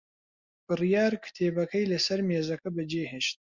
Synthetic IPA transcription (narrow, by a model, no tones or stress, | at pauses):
b̥ɨrijaːɾkʰɨ̥t̪ʰeːbɐkʰɐjlɐsɐɾmeːzɐkɐbɨd͡ʒeːheʃt̪̚